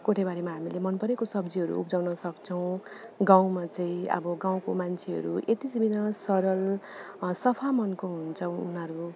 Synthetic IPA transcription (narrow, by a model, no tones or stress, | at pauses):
koʈʰebaɾemaɦamilemʌnpʌɾekosʌbd͡ziɦʌɾṵṵpd͡zawnʌsʌkt͡sʰʌw̃ɡaw̃mat͡saĩʌ̰bʌɡãw̃komant͡sʰeɦʌ̰ɾuʔet̪isbinʌsʌɾʌl | sʌpʰamʌnkoɦunt͡sʰʌunʌɾu